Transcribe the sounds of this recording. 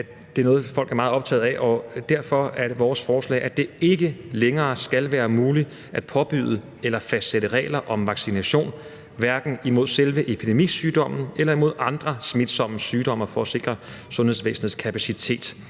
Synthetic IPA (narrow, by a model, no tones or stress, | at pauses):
d̥e̝æɐnɔ̽ːð̞̩ˠfɒ̽l̰ɡ̥æɐmɑ̈ːð̩ˠɒ̽b̥̚t͡sʰɛ̰ːð̩ˠæɛʔɒd̥æɐfɒ̽æɐdʋɒːsfɒːslɛ̰ːʔæd̥e̝e̝ɡ̥əleŋɐːsɡ̥ælʋæːɐmuːli | ʔæd̥pʰɒ̽b̥y̰ð̞ˠə | elɐfæsd̥seɾəʁɛ̰ːlɐʔɒ̽mʋɑ̈ɡ̥sinæɕo̝̰ːn | ʋæɐɡ̥n̩imo̝ð̞̰ˠselʋəʔe̝pʰid̥e̝mḭsyːd̥ɒ̽m̰n̩elɐimo̝ð̞̰ˠɑ̈nd̥ʁɐsmid̥sɒ̽məsyːd̥ɒ̽m̰ɐfɒ̽æse̝ɡ̥ʁɐ | sɔ̽nhe̝ðˠs̬ʋḛːsn̩ð̩ˠskʰæpʰæsit͡sʰe̝̰ːd̥